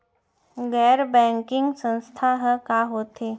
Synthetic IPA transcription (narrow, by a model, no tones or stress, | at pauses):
ɡɛɾbɛ̃ŋkiŋɡsə̃ñst̪ʰaɦəkaɦot̪e